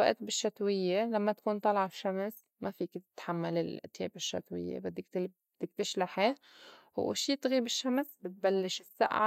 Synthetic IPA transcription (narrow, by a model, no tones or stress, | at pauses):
wa̰ʔt̪̚bɪʃːat̪wɪjːelamːat̪ḁkuːnt̪ˤɑlʕafʃams | mafiːkt̪ɪt̪ħamːalɪl̰t̪ḛːbɪʃːa̰t̪wɪ̰jːḛbad̪ːɪk̪ | d̪̥ːɪkt̪ɪʃlaħe | hṵːʃiːt̪ɣiːbɪʃːamsbɪt̪̚balːɪʃɪsːa̰ʔʕa̰